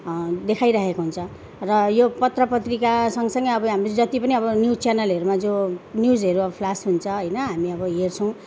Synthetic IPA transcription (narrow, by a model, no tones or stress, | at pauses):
d̪ekʰajɾaɦekoɦunt͡sʰʌ | rʌjopʌt̪rʌpʌt̪rikasʌŋɡʌsʌŋɡʌjʌbʌɦamrod͡zʌt̪ipʌniʌbʌnjut͡sjanʌlɦʌɾumad͡zonjud͡zʌɾuʌʌpʰlasɦunt͡sʰʌɦʌjnʌɦamiʌbʌɦert͡sʰʌ̃w̃